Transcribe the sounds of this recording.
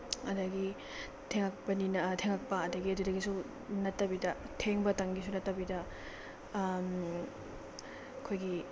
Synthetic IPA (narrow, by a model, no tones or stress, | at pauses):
ɐdɐɡi | tʰeŋak̚pɐninɐtʰeŋak̚pɐɐdɐɡiɐdudɐɡisu | nɐtːɐbidɐtʰeŋbɐtaŋɡisunɐtːɐbidɐ | m | ɐkʰojɡi